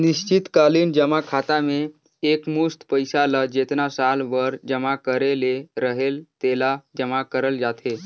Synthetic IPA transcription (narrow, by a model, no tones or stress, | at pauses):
niɕt͡ɕit̪kaliːnd͡ʑəmakʰat̪ameː | kmust̪pəjsalad͡ʑet̪nasalʋəɾd͡ʑəmakəɾeleɾəɦelt̪elad͡ʑəmakəɾəld͡zat̪ʰe